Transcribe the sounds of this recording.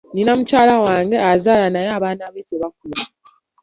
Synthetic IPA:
ninamucaːlawaːŋɡe̞azaːlanajaːβaːnaβetʰeβak̚ula

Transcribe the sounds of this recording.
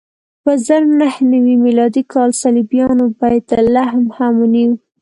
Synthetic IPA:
pəzəɾnahnawimilɑd̪ikʰɑlsalibjɑnobɑjd̪əlahmhamuniw

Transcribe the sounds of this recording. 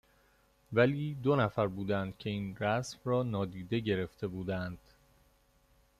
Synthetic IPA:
væliːd̪onæfæɾbuːd̪ænd̪̥̚cʰe̞iːnɾæsmrɒːnɒːd̪iːd̪e̞ɟe̞ɾe̞ft̪e̞buːd̪ænd̪̥

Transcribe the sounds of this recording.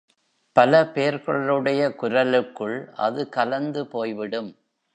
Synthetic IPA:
pɐlɐpeːɾkɔɭɐlɯɽɐjɐkʊɾɐlɯkːɯɭʔɐ̰ðɯkɐlɐnd̪ɯpoːjʋɪɽɯm

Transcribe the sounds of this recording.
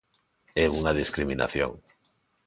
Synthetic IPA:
ɛuŋaðiskɾimina̰θjo̰ŋ

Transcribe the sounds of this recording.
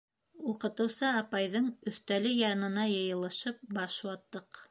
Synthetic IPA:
uqɤ̆t̪ɤ̆wsɑːpɑjðɤɴɵ̆θt̪ælɘjɑnɤ̆nɑjɤ̆jɤ̆lˠɤ̆ʃɤp̚bɑʃwɑt̪ːɤq

